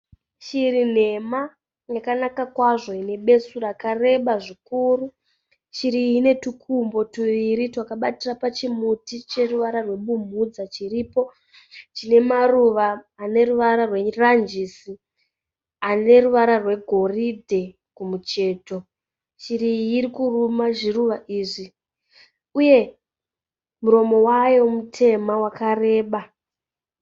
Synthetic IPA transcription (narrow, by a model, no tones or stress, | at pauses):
t͡ʃiɾin̤e̞ma | jakanakakwaʐo̞ine̞ɓe̞surakare̞ɓaʐikuːru | t͡ʃiɾine̞tukʰumbo̞tuʋiɾitwakaɓatirapat͡ʃimutit͡ʃe̞ruʋaɾarwe̞ɓumud͡zat͡ʃiriːpo̞ | t͡ʃine̞maruʋaː | ne̞ruʋaɾarwe̞rand͡ʒisi | ane̞ruʋaɾarwe̞ɡʱo̞ridʱe̞ | kumut͡ʃe̞ːto̞ | t͡ʃirijiɾikurumaʐiruʋaʔiːʐi | uje̞ | muɾo̞mo̞wajo̞mutʰe̞mawakare̞ːɓa